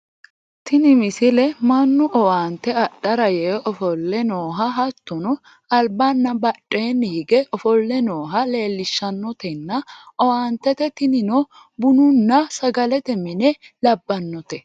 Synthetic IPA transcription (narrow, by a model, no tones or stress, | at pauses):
t̪ɪnɪmɪsɪlɛmɐnːʊʔɔwaːnt̪ːɛɐɗɐɾɐjɛʔɔfɔlːɛnoːɦɐɦɐt̪ːɔnɔ | ɐlbɐnːɐbɐᶑʼːeːnːɛhɪɡɛʔɔfɔlːɛnoːɦɐle̞ːlːɪʃːɐnːɔt̪ɛnːɐʔɔwaːnt̪ːɛt̪ɛt̪ɪnɪnɔ | bʊnʊnːɐsɐɡɐlɛt̪ɛmɪnɛlɐbːɐnːɔt̪ɛ